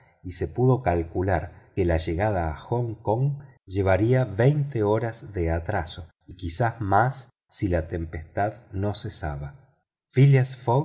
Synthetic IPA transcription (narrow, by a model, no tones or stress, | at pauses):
ise̞puðo̞kalkulaɾkelaʒe̞ɣað̞aːxoŋkoŋʒe̞β̞aɾiaβejnt̪eoɾazðe̞at̪ɾaso̞ | ikisazmasː | ilat̪e̞mpest̪aðno̞sesa̰βa | filiasfoɣ